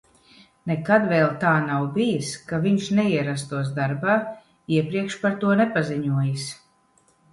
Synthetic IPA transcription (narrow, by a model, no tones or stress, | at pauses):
nɛkad̪vɛlˠt̪aːnawbijiskaviɲʃnɛiɛɾas̬t̪uɔs̬d̪aɾbaː | iɛpɾiɛkʃpaɾt̪uɔnɛpaziɲuɔjis